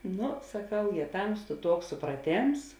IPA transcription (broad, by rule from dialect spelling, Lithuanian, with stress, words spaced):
ˈnʊ sɐˈkɐʊ jeː ˈtɐmstʊ ˈtuɔks sʊprɐˈtʲeːms